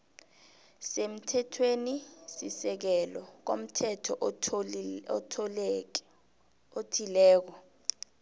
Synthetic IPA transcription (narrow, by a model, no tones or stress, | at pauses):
sem̩tʰɛtʰwenisisɛk̬ɛlɔk̬om̩tʰɛtʰɔʔ | otʰilɛːk̬ɔ